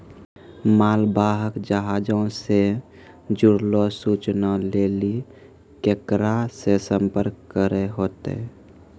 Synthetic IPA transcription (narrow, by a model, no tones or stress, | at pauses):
maːlbaːɦəkd͡ʒəɦaːd͡ʒõse | d͡ʒʊɽlosuːt͡ʃnaleːli | kekɾasesəmpəɾkːəɾeɦoːt̪ḛ